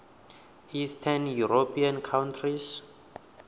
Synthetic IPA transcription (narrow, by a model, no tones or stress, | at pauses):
histʰɛnjuɾopʰiãnkʰawntʰris